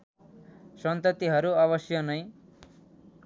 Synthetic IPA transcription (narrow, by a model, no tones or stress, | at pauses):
sʌnt̪ʌt̪iɦʌɾuaβʌsjʌnʌĩ